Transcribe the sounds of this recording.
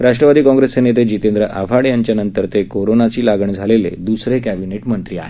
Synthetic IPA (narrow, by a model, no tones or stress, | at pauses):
ɾaʂʈɾəʋad̪iːkɔ̃ŋɡɾesenet̪̬ed͡ʑit̪end̪ɾəʔa̰ʋʱaɽjaɲt͡ɕjanənt̪əɾt̪ekoɾonat͡ɕiːlaɡəɳd͡zʱalelḛd̪usɾekæbineʈmənt̪ɾiːa̰ɦe